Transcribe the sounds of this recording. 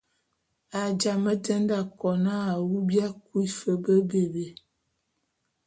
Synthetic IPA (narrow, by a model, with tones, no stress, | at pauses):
a˨d͡ʒa˨mə˦tə˦nda˦˨kɔ˨na˦a˨wu˦bja˦ku˦i˦fə˦bə˦be˨be˨˦